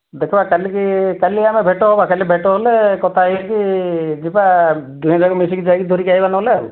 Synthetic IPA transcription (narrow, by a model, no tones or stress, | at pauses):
d̪ekʰɔbakalikikaliamebʱeʈɔɦɔbakalibʱeʈɔɦɔlekɔt̪ʰakid͡ʒipad̪uɦãd͡ʒaɡɔmis̬ikid͡ʒaɡid̪ʱɔɾikaɦibanɔleu